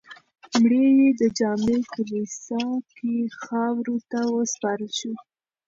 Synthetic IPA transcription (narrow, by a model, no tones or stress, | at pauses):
mɽejed̪əd͡ʒɑmekəlisɑkexɑwɾot̪awəspɑɾəlʃu